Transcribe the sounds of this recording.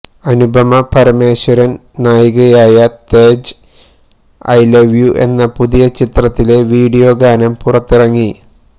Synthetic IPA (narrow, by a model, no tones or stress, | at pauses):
ɐnubʱɐmɐpɐɾɐme̞ːɕɐɾɐn | naːjuɣɐjaːjɐt̪e̞ːd͡ʑ | ɐ̰jleʋjuʔe̞̰nːɐpuðijɐt͡ɕit̪rɐt̪ːile̞ʋiːɽijo̞ɡaːnɐmpurɐt̪ːirɐŋːi